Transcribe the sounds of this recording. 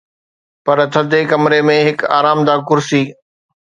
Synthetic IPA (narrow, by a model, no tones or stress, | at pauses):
pɐɾt̪ʰɐd̪ekɐmɾemẽɦɪka̰ːɾaːmd̪aːkʊɾsiː